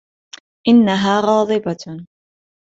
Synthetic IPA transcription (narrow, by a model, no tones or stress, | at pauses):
ʔɪnːaɦaːɣɑːd̪ˤɨbɑ